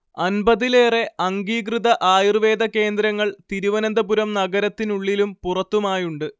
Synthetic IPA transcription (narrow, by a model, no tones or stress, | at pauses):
ɐnbɐðile̞ːre̞ɐŋɡiːkrɨðɐʔaːjrʋe̞ːd̪ɐke̞ːnd̪ɾɐŋːɐɭt̪iɾuʋɐnɐnd̪ɐpuɾɐmnɐɡɐɾɐt̪ːinuɭːilumpurɐt̪ːumaːjuɳɖɨ